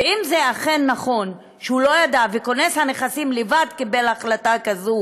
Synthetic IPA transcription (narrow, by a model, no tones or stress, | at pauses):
imzeaχenːaχo̞n | ʃeulo̞jad̪aveko̞neshane̞χasimlevad̪kibelaχlatakazu